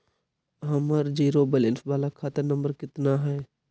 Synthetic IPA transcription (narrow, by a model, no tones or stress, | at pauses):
ɦəməɾd͡ʒiːɾobəlensbaːlakʰaːt̪əɾnə̃mbəɾkɪt̪naɦɛː